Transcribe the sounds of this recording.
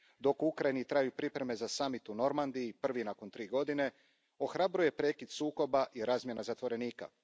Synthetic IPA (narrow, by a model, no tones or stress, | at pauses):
d̪o̞kuukɾajinit̪ɾaːjupɾipɾe̞me̞zasamit̪uno̞ɾmand̪iipr̩ʋinako̞nt̪ɾiːɡo̞d̪ine̞ | o̞xɾabɾuje̞pɾe̞ːkid̪suːko̞baʔiɾaːzmje̞nazat̪ʋo̞ɾe̞niːka̰